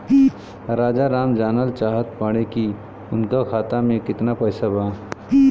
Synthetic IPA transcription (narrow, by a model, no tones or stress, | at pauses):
ɾaːd͡ʒaɾaːmd͡ʒaːnəlt͡ʃaːɦət̪paɽ̃eki | ʊnkakʰaːt̪amẽkɪt̪napəjsabaː